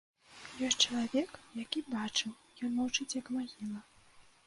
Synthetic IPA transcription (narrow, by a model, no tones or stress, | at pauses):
jɔsʲtʲt͡ʂɐlˠavʲɛkjakʲibat͡ʂɨw | jɔnːut͡ʂɨt͡sʲjɐkmaɣʲilˠɐ